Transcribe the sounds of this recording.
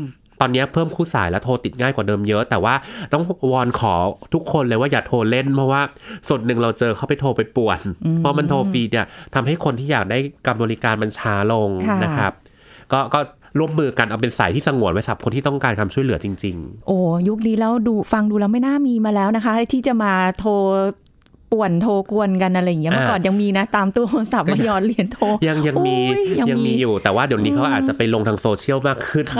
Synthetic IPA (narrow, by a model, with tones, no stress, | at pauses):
t̪ɔː˧nːi˦˥ɐ˧pʰɤː˥˩mkʰuː˥˩saː˩˦jlɛː˦˥wt̪ʰoː˧t̪i˨˩ŋaː˥˩jkwaː˨˩dɤː˧mjɤ˦˥ʔt̪ɛː˨˩waː˥˩t̪ɔ˥˩ŋwɔː˧nkʰɔː˩˦t̪ʰu˦˥kʰːo˧nlɤː˧˩waː˥˩jaː˨˩t̪ʰoː˧le˥˩npʰɾɔ˦˥waː˥˩su˨˩ə˩nnɯ˨˩ŋɾa˧wt͡ɕɤː˧kʰa˥˩wpa˨jt̪ʰoː˧pa˧jpu˨˩ənʰɔ˦˥ma˧nt̪ʰoː˧fiː˧ni˥˩ɐt̪ʰa˧mɦa˥˩jkʰo˧nt̪ʰiː˥˩jaː˨˩k̚daː˥˩jka˧mbɔː˧li˦˥kaː˧nma˧nt͡ɕʰaː˦˥lo˧ŋʰ˥na˦˥kʰɾa˦˥p̚ | kɔː˥˩kɔː˥˩ | ɾu˥˩əmːɯː˧ka˧nʔa˧wpe˧nsa̰˩˦t̪ʰiː˥˩sa˧ŋu˨˩˦ənwa˦˥jsa˨˩p̚kʰo˧nt̪iː˥t̪ɔ˥˩ŋkaː˧nkʰa˧mt͡ɕʰu˥˩jlɯ˩˦ɐ˦t͡ɕi˧ŋt͡ɕi˧ŋʔoː˨˩ju˦˥k̚niː˦˥lɛː˦˥wduː˧fa˧ŋduː˧lɛː˦˥wma˥˩jnaː˥˩miː˧maː˧lɛː˦˥wna˦˥kʰa˦˥ha˥˩jt̪ʰiː˥˩t͡ɕa˨˩maː˧t̪ʰoː˧ | pu˨˩ənt̪ʰoː˧ku˧ənka˧nʔa˧ɾa˧jŋi˦˥ma˥˩kɔː˨˩nja˧ŋmiː˧na˦˥t̪aː˧mt̪u˧ɐo˧nsa˨˩p̚maː˧˩jɔː˨˩n̚li˨˩ənt̪ʰoː˧ja˧ŋja˧ŋmiː˧ja˧ja˧mː˧miː˧juː˨˩t̪ɛː˨˩waː˥˩di˨˩˨niː˦˥kʰa˦˥ʔaː˨˩t̚t͡ɕa˨˩pa˧jlo˧ŋtʰaː˧ŋsoː˧t͡ɕʰi˦˥˩əwmaː˥˩kʰːɯ˥˩n